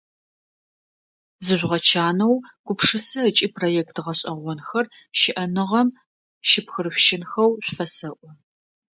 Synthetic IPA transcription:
zɨʒʷʁɐt͡ʃʰaːnɐwɡ̥ʷʊpʂɨsɐt͡ʃʼiːprojɛːktʁɐɕʼɐʁʷɔnxɐr | ʃɪʔɐnɨʁɐm | ʃɪpxɨrɕʷʃɪnxɐwɕʷfɐsɐʔʷɔ

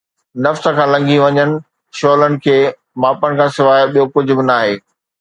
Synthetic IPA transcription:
nɐfsə̆kʰãːlɐ̃ŋɡĩʋɐɲənɪ̆ | ʃoːlənɪ̆kʰeː | maːpəɽɪ̆kʰãːsɪʋaːjɓijokʊd͡ʑʱʊ̆bɪnaːɦeː

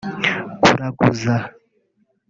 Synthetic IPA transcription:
kuɾakʼuza

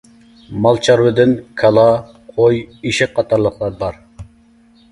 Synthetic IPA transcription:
mɑlˠt͡ʃʰɑɾwɨd̪ɪnkʰɑlˠɑ | qʰojiʃɪq̚ʰːɑt̪ʰɑɾlˠəχlˠɑɾbɑɾ

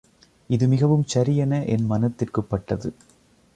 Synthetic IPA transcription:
ɪðɯmɪɣɐʋɯmt͡ʃɐɾɪjɐnɐʔɛnmɐnɐt̪ːɪrkɯpːɐʈːɐðɯ

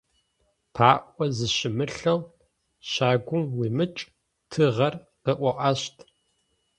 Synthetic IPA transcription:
pʰaːʔʷʼɔzɨʃɪmɨɬɐw | ɕaːɡʷʊmwiːmɨt͡ʃʼ | tʰɨʁɐr | qəʔʷɔʔaːʃtʰ

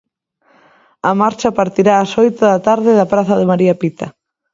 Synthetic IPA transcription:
ɐmaɾt͡ʃɐpaɾt̪iɾaːsojt̪ʊðɐt̪aɾðɪðɐpɾaθɐðɪmaɾiɐpit̪ɐ

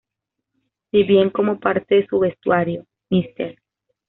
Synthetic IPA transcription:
biβjeŋko̞mo̞paɾt̪eðesuβe̞st̪waɾjo | mist̪eɾ

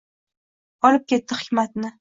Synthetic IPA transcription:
ɒlɪp̚kʲʰe̞t̪ːɪχɪ̥kʲmat̪nɪ

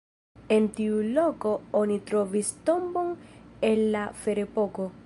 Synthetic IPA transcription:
ent̪iulokoonit̪ɾɔvist̪omboŋelːafeɾepoko

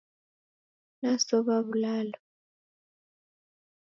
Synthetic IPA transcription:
nasɔβaβulaːlɔ

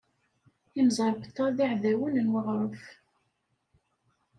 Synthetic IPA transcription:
imzˤɑɾˤbət̪ˤːɑðiʕðæwənənwəʁɾˤəf

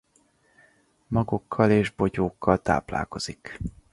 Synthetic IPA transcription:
mɒɡokʰːɒleːʒbo̞ɟoːkːɒlt̪a̰ːpla̰ːlko̞z̥ik

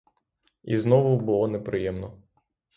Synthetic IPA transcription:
iznɔʋʊbʊlˠɔnepɾɪjɛmnɔ

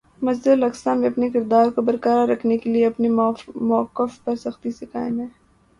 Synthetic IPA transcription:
mɐzd̪əlɐksãmẽɐpnekɪɾd̪aːɾkobɐɾkəɾaɾɐkʰnekelieɐpnimɔkːəfpɐɾsɐxt̪isekaːɪmɦɛ̃ː

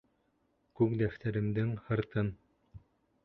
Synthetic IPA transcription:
kʉkd̪æft̪æɾɘ̆md̪ɘŋhɤ̆ɾt̪ɤn

